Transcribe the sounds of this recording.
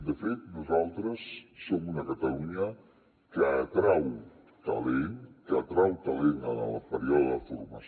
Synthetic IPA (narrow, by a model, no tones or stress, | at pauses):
d̪əfet̪nuzalˠt̪ɾəsːomunəkət̪əluɲə | kəːt̪ɾaw | t̪ə̰lenkəːt̪ɾawt̪əlenənəlpəɾiɔðəðəfurməs